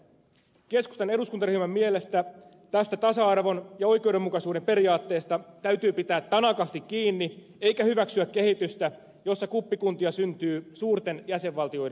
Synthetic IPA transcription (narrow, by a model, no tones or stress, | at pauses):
ke̞sku̥st̪ɑne̞duskunt̪ɑryhymæmːiele̞st̪æ | t̪æst̪æt̪ɑsɑɑrʋo̞njɑo̞jk̟e̞uwde̞mːukɑsuːde̞mpe̞ɾijɑːt̪ːe̞ːst̪ɑt̪æyɥt̪yːpit̪æːt̪ːɑnɑkɑst̪ikkiːnːi | ejkæhyʋæksyækːe̞hit̪yst̪æ | jo̞sːɑkupːikunt̪iɑsynt̪yːsuːrt̪e̞njæse̞ʋʋɑlt̪io̞jde